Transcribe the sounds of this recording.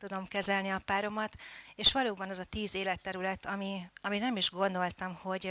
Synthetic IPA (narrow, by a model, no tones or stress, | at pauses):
t̪ud̪o̞mkɛzɛlniɒpaːɾo̞mɒt̪eːʃʋɒloːbɒnɒzɒt̪iːzeːlɛt̪ːɛɾylɛt̪ʰɒmiɒminɛmiʒɡo̞nd̪o̞lt̪ɒmho̞ɟ